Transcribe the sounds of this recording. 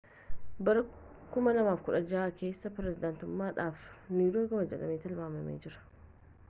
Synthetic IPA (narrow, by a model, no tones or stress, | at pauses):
bɐɾɐ | kʊmɐlɐmaːfkʊᶑɐd͡ʒaːkʰe̞ːsːɐpɪɾɛsɪd̪ant̪ʊmːaːᶑaːfniːdoːɡɐmɐd͡ʒɐlɐmeːt̪ɐlbaːmɐmḛːd͡ʒɪɾɐ̥